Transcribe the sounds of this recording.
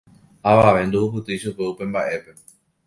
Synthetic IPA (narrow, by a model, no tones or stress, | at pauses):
aʋaʋe̞nd̪uupɨt̪ɨiʃupe̞upe̞mbaʔe̞pe̞